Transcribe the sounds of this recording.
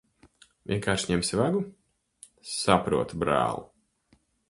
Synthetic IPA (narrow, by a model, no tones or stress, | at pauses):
vʲḭɛŋkaːɾʃɲɛmsivaɡu | sapɾuɔt̪ubɾa̰ːlˠṵ